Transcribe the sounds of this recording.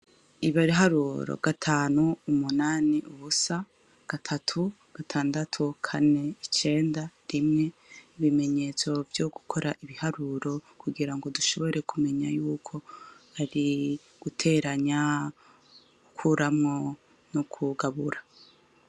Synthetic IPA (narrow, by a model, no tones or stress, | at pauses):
iβaɾiɦaɾuɾo̰ɡ̥atʰaːnuːmunaːniʔuβusa | ɡ̥atʰatʰu | ɡ̥atʰaːndatʰukʰane̞it͡ʃe̞ːndaɾimŋe̞iβime̞ɲe̞t͡so̞vjoɡ̥ukʰo̞ɾʔaʔiβihaɾuɾo̞kʰuɡiɾaŋɡo̞duʃo̞βo̞ɾe̞kʰume̞ɲajuːkʰo̞aɾi | ɡ̥utʰe̞ɾaɲa | ukʰuɾamŋo̞ | nokʰuɡaβuɾa